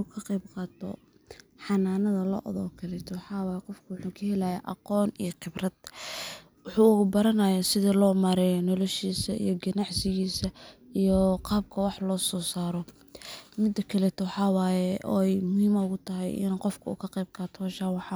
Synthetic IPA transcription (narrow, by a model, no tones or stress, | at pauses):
ukʰɐqɛjb̚qɑːt̪ʰɔ̰ | ħɑnaːnɐðɐlɔ̰ːʔɔðɔːkʰɐlɛːt̪ʰɔwɑħɑːwɑːjɛqɔfkʰɐwʊħuːkʰɐhɛlaja̰ʔɑ̰qɔːnḭjɔqɪbrɐd̪̥ | wʊħuːʊɣʊbɐɾɐnaːjaːsɪðilɔːmɐɾɛːjɔnɔlɔʃiːsɐḭjɔɡɐnɑʕsɪɣiːsɐijɔqɑːb̚kʰɐwɑħlɔːsɔːsaːɾɔ | mɪd̪ɐkʰɐlɛt̪ʰɔwɑħɑːwaːjɛʔɔ̰ːɛjmʊhiːmɐʊɣʊt̪ʰɐɦɛ̰jʔɪ̰nqɔfkʰɐṵːkʰɐqɛjb̚qɑːt̪ʰɔhɔːʃaːwɑħɑ